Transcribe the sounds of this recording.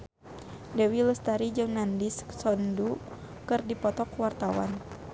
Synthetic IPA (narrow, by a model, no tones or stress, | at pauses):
dɛwiləst̪aɾid͡ʒɨŋnandissɔndu | kɨrdipɔt̪ɔkwart̪awa̰n